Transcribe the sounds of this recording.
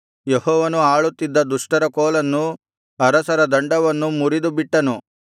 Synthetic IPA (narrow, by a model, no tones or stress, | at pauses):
jehɔːʋɐnuaːɭut̪ːid̪ːɐd̪uʂʈɐɾɐkɔːlɐnːu | ɐɾɐsɐɾɐd̪ɐɳɖɐʋɐnːumuɾid̪ubiʈːɐnu